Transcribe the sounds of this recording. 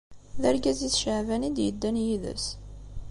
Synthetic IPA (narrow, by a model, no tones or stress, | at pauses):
ðæɾɡæziθʃəʕvænid̪jəd̪ːænjiðə̰s